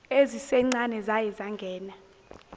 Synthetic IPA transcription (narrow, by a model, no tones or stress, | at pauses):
ezisɛŋ͡ǀanɛzajɛzaŋɡʱɛːna